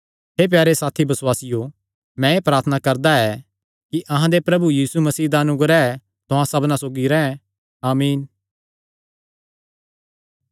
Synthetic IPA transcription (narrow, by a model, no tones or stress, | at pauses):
ɦeːp̬jaːɾesaːt̪ʰibɐswaːsɪjo | mɛ̃epɾaːɾt̪ʰənakɐɾd̪aɛ | kiʔɐɦãd̪epɾɐbujiːsumɐsiːd̪aɐnʊɡəɾaɛ | t̪ʊɦãsɐbnãsoːɡiɾɛ̃ːɛ̃ | aːmiːn